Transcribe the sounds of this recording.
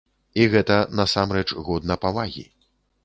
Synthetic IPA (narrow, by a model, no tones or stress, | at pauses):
iɣɛt̪ɐnɐsamɾɛt͡ʂɣɔd̪nɐpavaɣʲḭ